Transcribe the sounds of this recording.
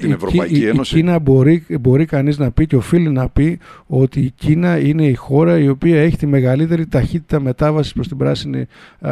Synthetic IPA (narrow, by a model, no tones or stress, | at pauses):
ievɾoɐeosinɐboɾibo̞ɾikɐniznɐpiceo̞filinɐpio̞t̪iːcinɐine̞ixo̞ɾɐio̞piɐe̞çi̥t̪ime̞ɣɐlit̪e̞ɾit̪ɐçit̪i̥t̪ɐme̞t̪ɐvɐsi̥spɾo̞st̪ibɾɐsinḭ